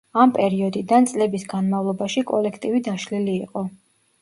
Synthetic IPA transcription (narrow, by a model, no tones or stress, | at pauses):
ampʼɛɾiɔd̪id̪ant̪sʼlɛbisɡanmavlˠɔbaʃikʼɔ̰lɛkʰt̪ʼivid̪aʃliliːqʼɔ